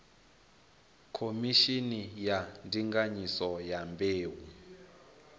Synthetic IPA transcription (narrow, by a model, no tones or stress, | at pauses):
kʰomiʃinijandiŋɡaɲisɔjambeːwu